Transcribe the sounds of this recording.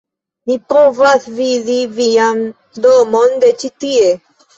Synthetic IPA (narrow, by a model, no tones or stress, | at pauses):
nipovaθviðivijan | d̪omɔnd̪et͡ʃit̪ie